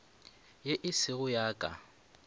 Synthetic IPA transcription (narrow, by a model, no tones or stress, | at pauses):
jeʔɪsɪɣʊjaːkʼa̰